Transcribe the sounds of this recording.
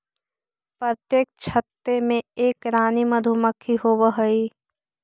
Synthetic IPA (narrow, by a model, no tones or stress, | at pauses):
pɾət̪jeːk̚t͡ʃʰət̪ːemẽeːkɾaːnimɐd̪ʱuməkʰːiɦoːʋəɦəi